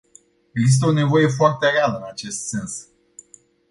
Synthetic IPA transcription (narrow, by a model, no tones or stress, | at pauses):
eɡzis̬t̪eo̞ne̞vo̞je̞f̬oart̪erealəɨnat͡ʃe̞st̪se̞ns